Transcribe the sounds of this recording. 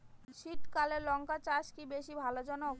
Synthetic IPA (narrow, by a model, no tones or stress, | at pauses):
ʃit̪kalelɔŋkat͡ɕaʃkibeʃibʱalod͡ʑɔno